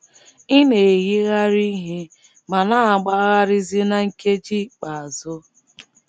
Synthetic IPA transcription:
i˦ne˨ɣi˦ɣa˦ɾi˦ɦe˦ | ma˨na˦a˨ɡ͡ba˦ɣa˦ɾɪ˦zi˦na˦ŋ̩˦ke˦d͡ʒi˦k͡pa˨a˨zʊ˦

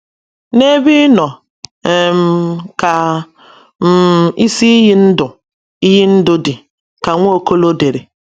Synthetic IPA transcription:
ne˦bi˦nɔ˨ | m̩˦ka˨ | m̩˦i˦si˦i˦ɦi˦n̩˦dʊ˨ | i˦ɦi˦n̩˦dʊ˦dɪ˨ | ka˨ŋʷo˦o˦ko˦lo˦de˨ɾe˨

